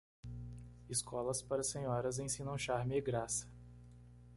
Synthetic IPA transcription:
ɪskʰɔlɐspaɾɐsẽɲɔɾɐzẽj̃sĩnɐ̃w̃ʃaɾmɪɪɡɾasɐ̥

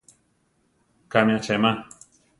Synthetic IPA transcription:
kamĩat͡ʃaman

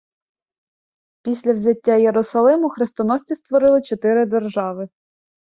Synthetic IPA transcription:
pʲisʲlʲɐwzʲɐtʲːajeɾʊsɐlˠɪmʊxɾɪst̪ɔnɔsʲt͡sʲist̪ʋɔɾɪlˠɪt͡ʃɔt̪ɪɾɪd̪erʒɑʋɪ

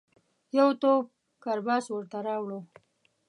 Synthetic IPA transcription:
jawt̪op̚ | kaɾbɑːswəɾt̪aɾɑːwɽo

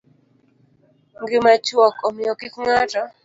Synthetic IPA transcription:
ŋɡɪmat͡ʃwɔkɔmɪɔkɪkŋata

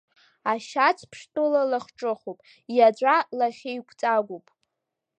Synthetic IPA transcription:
aʃat͡sʰpʰʂtʼɨlalaχʈ͡ʂʼɨχupʼ | jad͡ʒʷʼalaχʲejkʷʰt͡sʼaɡʷupʼ

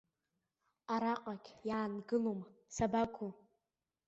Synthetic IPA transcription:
aɾaqʼakʲʰʼjaːnɡɨlomsabakʷʰu

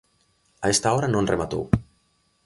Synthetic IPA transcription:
aɛst̪aɔɾanõnremat̪o̰w

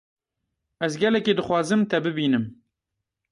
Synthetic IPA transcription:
ɛzɡɛlɛkeːd̪ɨxʷwɑːzɨmt̪ʰɛbɨbiːnɨm

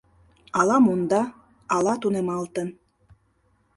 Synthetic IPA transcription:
ɑlˠɑmund̪ɑ | ɑlˠɑt̪unemɑlˠt̪ɤ̆n

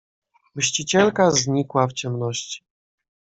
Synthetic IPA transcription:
mɘɕt͡ɕit͡ɕɛlkazɲikwaft͡ɕɛmnɔɕt͡ɕi̥

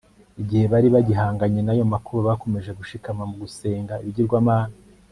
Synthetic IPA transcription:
iɟihe̞βaɾiβaɟiɦaːŋɡaɲe̞najo̞makuɾuβako̞me̞ʒe̞ɡuʃikamamuɡuse̞ːŋɡaiβiɟiɾɡwaːmaːna

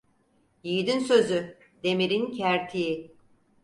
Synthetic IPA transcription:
jiːd̪insø̞zy | d̪e̞miɾincʰæɾt̪ʰiji

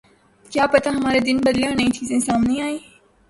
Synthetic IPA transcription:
kjaːpɐt̪aɦɐmaːɾed̪ɪnbɐd̪leanɐĩt͡ʃʰiːzẽsaːmnĩaːiː

